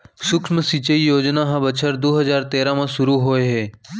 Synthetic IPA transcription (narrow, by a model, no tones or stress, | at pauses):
sʊkʃməsit͡ʃəijoːd͡ʒnaɦãbət͡ʃʰəɾd̪oːɦɐzaːɾt̪eːɾãmãsʊɾuɦoːeɦeː